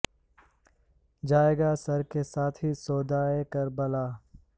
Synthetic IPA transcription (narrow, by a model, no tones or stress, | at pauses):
d͡ʒaːeːɡasɐɾkesaːt̪ʰɦisoːd̪aːekɐɾbəlaː